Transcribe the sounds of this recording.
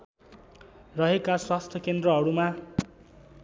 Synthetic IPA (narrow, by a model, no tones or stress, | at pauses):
rʌɦekaswast̪ʰjʌkend̪rʌɦʌɾuma